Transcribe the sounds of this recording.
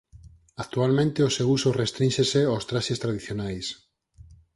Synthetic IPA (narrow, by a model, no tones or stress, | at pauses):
ak̚t̪ualmẽnt̪eosewusorest̪ɾinʲʃeseawst̪ɾaʃest̪ɾaðiθjonajs